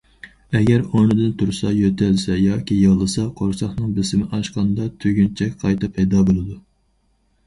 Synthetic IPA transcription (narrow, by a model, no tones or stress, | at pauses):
ɛɡʲɛɾonɨd̪ɨnt̪ʰuɾsɑjøt̪ʰælsɛjɑːkʲʰijɨʁlˠɨsɑqʰoɾsɑχnɨŋbɪsɪmɪʔɑʃqɑnd̪ɑt̪ʰøɡʲynt͡ʃʰɛkʲqʰɑjt̪ɨpʰːɛjd̪ɑːbolˠɨd̪u